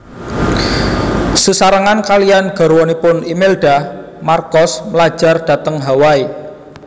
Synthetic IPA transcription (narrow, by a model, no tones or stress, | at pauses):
susaɾəŋankalijanɡ̥ɔ̤ɾwɔnipʊnimelɖ̥a̤ | markɔsməlḁd͡ʒ̥a̤rɖ̥ä̤t̪əŋɦawai